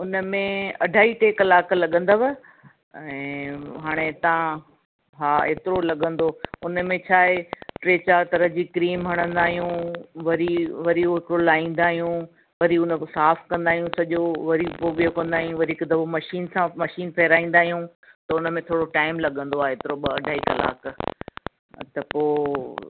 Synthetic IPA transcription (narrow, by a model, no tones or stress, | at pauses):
ʊnəmẽɐɖʱaːiʈeːkɐlaːklɐɠə̃nd̪aːʋɐ | ɛ̃ːɦaːɽ̃et̪ɐã | ɦaːḛːt̪ɪɾolɐɠə̃nd̪oʊnə̆mẽt͡ɕʰaːeʈɾeːt͡ɕaɾt̪ɐɾəɦd͡ʑikɾiːmɦɐɽ̃ə̃nd̪aːɦijũʋɐɾiʋɐɾioɦɪkɪɽolaːĩːn̆d̪aːɦijũ | ʋɐɾiʊnsaːfkɐ̃nd̪aːɦijũsɐʄoʋɐɾipoɓijokɐ̃nd̪aːɦijũʋɐɾiːkd̪ɐʋomɐʃiːnsãmɐʃiːnpʰɛɦɾaːĩːnd̪aːɦijũ | t̪ɐʊnəmẽt̪ʰoːɽoʈaːɪmlɐɠə̃nd̪oaːɦeeːt̪ɪɾoɓɐɐɖʱaːikɐla̰ːk | t̪ɐpoː